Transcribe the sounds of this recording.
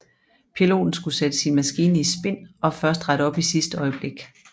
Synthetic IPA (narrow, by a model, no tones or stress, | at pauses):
pʰilo̝̰ːd̥n̩sɡ̥used̥əsinmæsɡ̥iːnəisb̥e̝n̰ɒ̽fɶɐsd̥ʁɑɾəɒ̽b̥isisd̥əɒ̽ɪəb̥le̝ɡ̥